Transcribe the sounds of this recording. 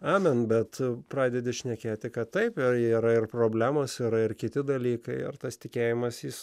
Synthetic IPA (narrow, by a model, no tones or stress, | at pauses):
ɑːmʲɛnbʲɛt̪pɾɑːd̪ʲɛd̪ʲɪʃʲnʲɛkʲeːt̪ʲɪkɐt̪t̪ːɐɪpɪiːɾɐɪrpɾoːbʲlʲæːmoːsiɾɐɪrkʲɪt̪ʲɪd̪ɐlʲiːkɐɪɪ̰rt̪ɐst̪ʲɪkʲeːjɪmɐsjis